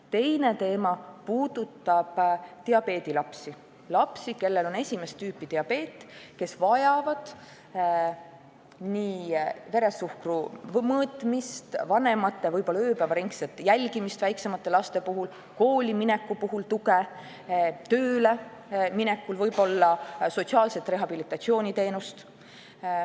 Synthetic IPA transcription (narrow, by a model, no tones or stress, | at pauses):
t̪e̞jne̞t̪e̞ːmɑpuːd̪̥ut̪ːˑɑb̥t̪eɑbe̞ːd̪̥ilɑpsi | lɑpsike̞lːe̞lo̞ne̞sʲimest̪yːpːˑit̪eɑpe̞ːt̪ˑːke̞svɑjɑvɑd̪̥ | niːve̞ɾe̞sːuhkrumɤːt̪ˑmist̪vɑne̞mɑt̪ːevɤjbo̞lːɑøːpævɑɾiŋkset̪ːˑjælʲɡimist̪væjkse̞mɑt̪ːˑe̞lɑst̪e̞puɦul | ko̞ːlʲiminɛkːupuɦult̪uke | t̪øːle̞ | minɛkːulvɤjbo̞lːɑso̞t̪siɑːlset̪ːˑre̞ɦɑb̥ilit̪ːˑɑt̪sio̞ːnʲit̪e̞ːnust̪